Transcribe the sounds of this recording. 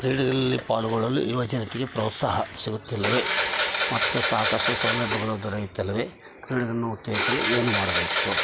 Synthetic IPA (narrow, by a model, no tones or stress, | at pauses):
kɾiːɽɐɡɐɭɐlːipaːluɡɔɭɐlːṵiʋɐd͡ʒɐnɐt̪iɡe̞pɾoːt̪saːɦɐsiɡut̪ːilːɐʋe̞mɐt̪ːusaːkɐʂʈusɐːlːɐɖːuɡɐɭɐd̪ɔɾɐjut̪ːilːɐʋe | kɾiːɽɐɡɐnːuut̪jɛːɐsɐlueːnumaːɽɐbeːt̪u